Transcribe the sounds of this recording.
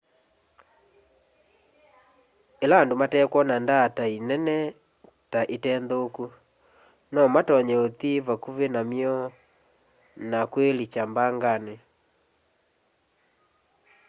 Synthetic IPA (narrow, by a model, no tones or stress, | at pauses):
elaːndomatɛkwɔnandatainɛnɛ | taʔetɛndoku | nɔmatɔɲɛot̪iβakuβenamiɔ | nakwelit͡ʃambaŋɡane